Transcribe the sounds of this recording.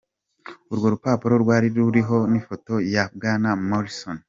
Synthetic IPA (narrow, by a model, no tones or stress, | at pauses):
uɾɡo̞ɾupaːpuɾo̞ɾɡwaːɾiɾuɾiɦo̞nifoto̞jab̚ɡanamoɾison